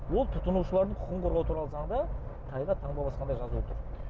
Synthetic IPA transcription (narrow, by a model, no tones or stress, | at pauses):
wo̞lˠt̪ʰʊt̪ənuʃəlˠɑɾd̪əɴqʰʊ̥qəɴqʰoɾʁɑlˠət̪uɾɑlˠəzɑɴd̪ɑt̪ʰɑjʁɑt̪ʰɑɴd̪ɑbɑsqɑnd̪ɑjʒɑzut̪ʰʊɾ